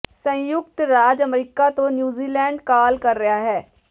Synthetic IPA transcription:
sə̃jʊkt̪ɾaːd͡ʒəmɾiːkat̪õnjuːziːlɛːɳɖkaːlkəɾːɐɦaɦɛː

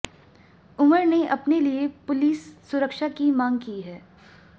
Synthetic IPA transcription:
ʊməɾneʔɐpneliepʊliːsːʊɾəkʃakimãːŋɡkiɦɛː

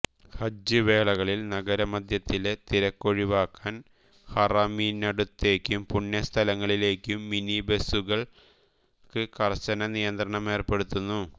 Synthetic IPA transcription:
hɐd͡ʑːɨʋe̞ːɭɐɣɐɭilnɐɡɐɾɐmɐd̪ʱjɐt̪ːile̞t̪iɾɐkːo̞ɻiʋaːkːaːn | hɐrɐmiːnːɐɽut̪ːe̞ːkʲːumpuɳːɐst̪ʰɐlɐŋːɐɭile̞ːkʲːumːinibesuɣɐɭ | kɨkɐrt͡ɕːɐnɐnijɐnd̪rɐɳɐme̞ːrpe̞ɽut̪ːunːu

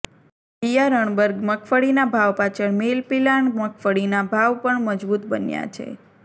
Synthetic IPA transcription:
pijaɾəɳ̃bəɾɡməkʰfəɽinabʱaʋpat͡ʃʰəɳmelpilaɳməkʰfəɭinabʱaʋpəɳməd͡ʒbut̪bənja̰t͡ʃʰḛ

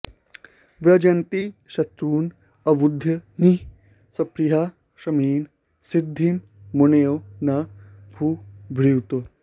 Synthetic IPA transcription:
ʋɾɐd͡ʒɐnt̪iʃɐt̪ɾuːn | ɐʋud̪ʱːjɐni | sɐpɾiɦaː | ʃɐmiːn | sid̪ʱːimː | unejonabʱuːbʱɾiwt̪o

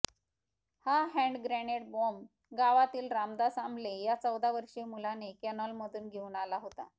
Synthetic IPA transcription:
haɦɛ̃ɳɖɡɾæneʈ̚bom | ɡaʋat̪iːlɾamd̪asamblejat͡səwd̪aʋəɾʂiːmulanekɛnəlməd̪ʱuːnɡʱeunalaɦot̪a̰

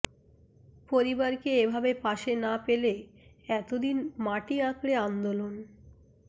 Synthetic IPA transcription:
poɾibaɾkeebʱabepaʃenapele | ɛt̪od̪inmaʈiãkɽeand̪olon

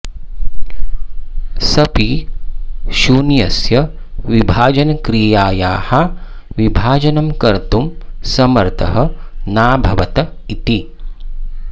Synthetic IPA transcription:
sɐpi | ʃuːnjɐsjɐʋibʱaːd͡ʒɐnɐkɾijaːjaːhɐ | ʋibʱaːd͡ʒɐnɐmkɐɾt̪umsɐmɐɾt̪ʰɐ̰ɦɐ̆naːbʱɐʋɐt̪ɐit̪i

